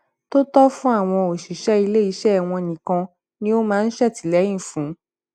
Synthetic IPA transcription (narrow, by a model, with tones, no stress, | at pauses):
to˦tɔ˦fũ˦a˦˨w̃ɔ̃˧o˨ʃi˨˦ʃɛ˦i˧le˦i˨˧˦ʃɛ˦˨w̃ɔ̃˧˨nĩ˨kã˧ | nĩ˦o˦mãː˦˧n̩˦ʃɛ˦˨ti˨˦lɛ˨˦j̃ĩ˦˨fũ˨˦